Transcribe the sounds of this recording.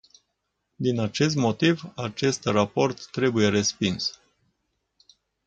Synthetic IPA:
d̪inat͡ʃe̞s̬t̪mo̞t̪ivat͡ʃe̞st̪rapo̞rt̪ːɾe̞buje̞ɾe̞spins

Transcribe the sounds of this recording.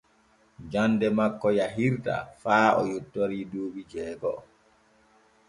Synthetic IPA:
d͡ʒanːdɛmakːɔjaɦiɾta̰faːɔ̰jutːoɾiːduːɓid͡ʒɛːɡɔ

